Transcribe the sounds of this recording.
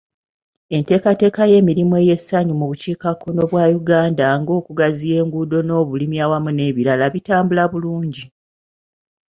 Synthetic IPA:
e̞nte̞ːkate̞ːkaje̞ːmiɾimwe̞je̞saɲumuβuciːkakʰːono̞βwaːjuɡaːndaŋɡo̞ːkuɡazije̞ːŋɡudo̞no̞ːβulimjaːwamune̞ːβiɾalaβitaːmbulaβuluːɲɟi

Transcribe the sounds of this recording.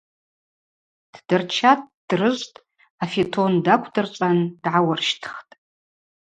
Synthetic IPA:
d̥dɨrt͡ʃʰat̚ʰʼd̥rɨʒʷtʼ | afetʰondakʷʰdɨrt͡ʃʷʼandʕawarʃtʰχtʼ

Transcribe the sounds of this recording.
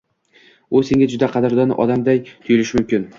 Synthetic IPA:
ʊse̞ŋʲad͡ʒʊd̪aqʰɑd̪ɪɾd̪ɒnʔɒd̪amd̪ajt̪ʰʊjɪlɪʃɪmʊmkʲɪn

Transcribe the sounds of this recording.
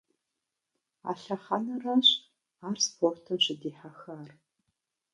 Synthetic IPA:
a̰ːɬɐχanɐraːɕ | aːrspʰortʰɨmɕɪdiːħaxaːr

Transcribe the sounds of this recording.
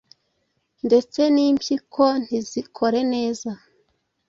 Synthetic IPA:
nde̞t͡se̞niːmpjikʰo̞n̥izikʰo̞ɾe̞ne̞ːza

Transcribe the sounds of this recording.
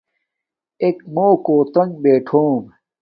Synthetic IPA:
ekmoːkoːt̪ɐŋɡbeːʈʰoːm

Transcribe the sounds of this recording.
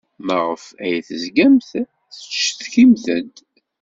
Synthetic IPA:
məʁəfæjθəzɡæmθ | θə̥t͡ʃːθçimθənd̪

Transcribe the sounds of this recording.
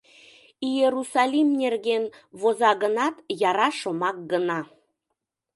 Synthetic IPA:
ijeɾusɑlʲimnʲerɣenβozɑɣənɑt̪jɑɾɑʃomɑk̚ɡənɑ

